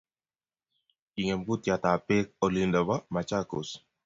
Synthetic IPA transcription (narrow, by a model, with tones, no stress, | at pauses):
i˨ŋɛ˨mku˦t̪ja˨t̪a˨pe˦k̚ɔ˨li˦ndɔ˨ba˦ma˨t͡ʃa˦ko̰˨s